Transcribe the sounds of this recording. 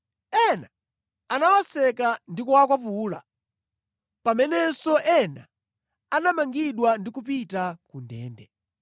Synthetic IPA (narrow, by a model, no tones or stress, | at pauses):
ɛna | anawɔsɛkandikuwakwapuːla̰ | pamɛnɛsɔʔɛna | anamaŋɡiɗwandikup̬itakundɛ̰ːndɛ